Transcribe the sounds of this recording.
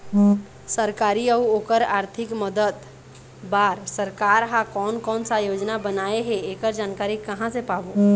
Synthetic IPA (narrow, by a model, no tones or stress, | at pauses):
səɾkaɾiəuokəɾaɾt̪ʰikməd̪ət̪ | baɾsəɾkaɾɦãkɔːnkɔnsajod͡ʒnabənaeɦeekəɾd͡ʒankaɾikəɦãsepabu